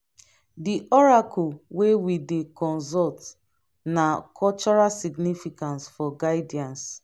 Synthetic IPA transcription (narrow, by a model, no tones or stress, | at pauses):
diʔɔɹakʰɔwewidekɔ̃nzɔlt | nakʰɔt͡ʃɔɹalsiɡnifikãnsfɔɡaɪdiãns